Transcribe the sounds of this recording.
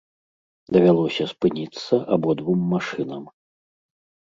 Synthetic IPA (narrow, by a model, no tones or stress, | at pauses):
d̪ɐvʲalˠɔsʲɐspɨnʲit̪sːɐʔabɔd̪vumːaʂɨnɐm